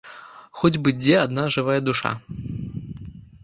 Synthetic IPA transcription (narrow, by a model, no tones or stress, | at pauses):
xɔd͡zʲbɨd͡zʲɛad̪naʐɨvajɐd̪uʂa̰